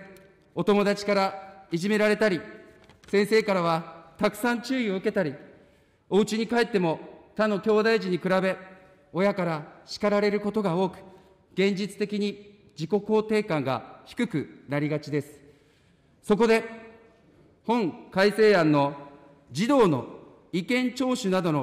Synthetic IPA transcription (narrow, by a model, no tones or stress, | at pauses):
o̞t̪o̞mo̞d̪at͡ɕi̥kaɾaiʑime̞ɾaɾe̞t̪aɾʲi | sẽ̞ɰ̃se̞ːkaɾaβ̞at̪akɯ̟̥sãɲt͡ɕɨːio̞ɯ̟ke̞t̪aɾʲi | o̞ɯ̟t͡ɕiɲ̟ikaet̪ːe̞mo̞t̪anːo̞kʲo̞ːd̪aiʑiɲ̟ikɯ̟ɾabe̞ | o̞jakaɾaɕi̥kaɾaɾe̞ɾɯ̟ko̞t̪o̞ɡao̞ːkɯ̟̥ | ɡ̥ẽ̞ɲd͡ʑit͡sɨ̥t̪e̞kʲiɲ̟i | d͡ʑiko̞ko̞ːt̪e̞ːkãŋɡa̰çi̥kɯ̟kɯ̟naɾʲiɡat͡ɕid̪e̞sɨ̥ | so̞k̬o̞d̪e̞ | hõ̞ŋkaise̞ːãnːo̞ | d͡ʑid̪o̞ːno̞ | ikẽ̞ɲt͡ɕo̞ːɕɨnad̪o̞no